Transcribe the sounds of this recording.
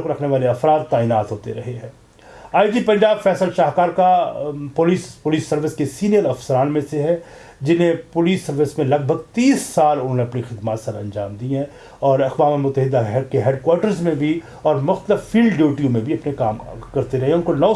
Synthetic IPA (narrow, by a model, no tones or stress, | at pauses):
koɾɐkʰneʋaːleɐfɾaːd̪̚t̪aːɪnaːt̪ɦoːt̪eɾɐɦeɦɛ̃ː | aːɪd͡ʒipɐ̃ɲd͡ʒaːbfɛːsəlʃaːɦkaːɾkapʊlispʊliːsːɐɾʋɪskesiːnijəɾɐfsəɾaːnmẽseɦɛ | d͡ʒɪnɦẽpʊliːsːɐɾʋɪsmẽlɐɡ̚bʱəɡ̚t̪iːsːaːlʊ̃nɦõːneɐpnixɪd̪maːt̪sɐɾɐ̰̃nd͡ʒa̰ːmd̪iːɦɛ̃ | ɔːɾɐqʋaːmemʊt̪ːəɦɪd̪ʱːaɦɛkeɦeːɖkwaːɾʈəɾzmẽbʱi | ɔːɾmʊxt̪əlɪfːiːlɖɖjuːʈijõmẽbʱiɐpneka̰ːmkɐɾt̪eɾɐɦeɦɛ̃ʊnkonɐː